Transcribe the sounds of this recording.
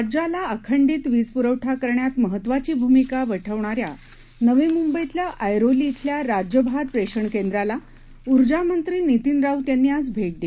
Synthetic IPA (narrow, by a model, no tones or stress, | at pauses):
ad͡ʑalaəkʰəɳɖiːt̪ʋid͡zpuɾəʋʈʰakəɾɳjat̪məɦət̪ːʋat͡ɕiːbʱumikaʋəʈʰəʋɳaɾja̰ | nəʋemumbəjt̪ljaʔəjɾoliːt̪ʰljaɾad͡ʑjəbʱaɾpɾeɕəɳkend̪ɾala | uɾd͡ʑamənt̪ɾiːnit̪inɾaut̪janːiːasbʱeʈ̚d̪i